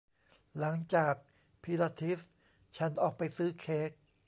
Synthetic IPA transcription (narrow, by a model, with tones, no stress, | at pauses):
la˩˦ŋt͡ɕaː˨˩k̚ | pʰi˧laː˧t̪ʰi˦˥s | t͡ɕʰa˦˥nʔɔː˨˩k̚pa˧jsɯː˦˥kʰeː˦˥k̚